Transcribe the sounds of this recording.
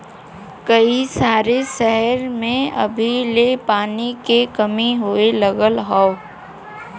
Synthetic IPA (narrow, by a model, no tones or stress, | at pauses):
kɐisaːɾesɛɦəɾmẽɐ̰bʱilepaːnikekɐmiɦoeləɡəlɦaːo